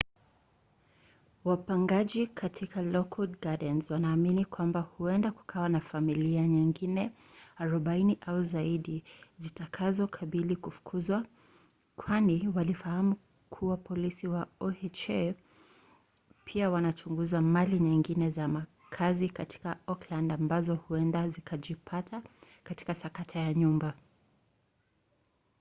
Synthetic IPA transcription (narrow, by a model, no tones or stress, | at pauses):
wapaŋɡaʄikʰatʰikalɔkʰudɡadɛnzwanaːminikwambahuɛndaku̥kʰawanafamiliaɲiŋɡinɛ | aɾɔɓainiʔauzaiɗizitakʰazɔkʰaɓilikufu̥kʰuzwa | kʰwaniwalifahamu | kʰuwapɔlisiwaɔɛt͡ʃɛ | pʰiawanat͡ʃuŋɡuzamaliɲiŋɡinɛzama | kʰazikatʰi̥kaɔklandambazɔhuɛndazikʰaʄipʰata | kati̥kasakatʰajaɲumba